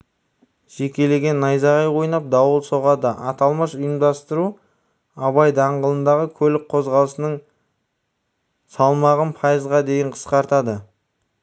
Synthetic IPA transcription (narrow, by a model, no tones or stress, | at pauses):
ʒ̥e̞kʲe̞le̞ɡʲe̞nːɑjzɑʁɑjwo̞jənɑp̚d̪ɑwəlˠso̞ʁɑd̪əʔɑt̪ɑlˠməʃʊjəmd̪ɑst̪əɾu | ɑβɑjd̪ɑɴʁəlˠənd̪ɑʁəkʲʰɵlɪk̚qʰo̞zʁɑlˠəsənəɴ | sɑlˠmɑʁənpʰɑjəzʁɑd̪e̞jɪɴqʰə̥sqɑɾt̪ɑd̪ə